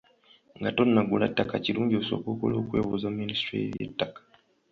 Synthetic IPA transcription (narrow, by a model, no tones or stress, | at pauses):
ŋɡatonːaɡulatːakaciluːɲɟioso̰kukoloukwewozaministɾijḛtːakḁ